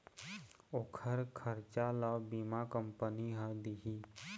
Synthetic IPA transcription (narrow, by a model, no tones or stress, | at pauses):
oːkʰəɾkʰəɾt͡ʃaləbimakəmpəniɦə̃d̪iɦi